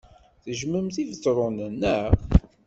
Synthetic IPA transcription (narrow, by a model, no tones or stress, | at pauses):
θəʒməmθivət͡sːɾˤʊnənːəʁ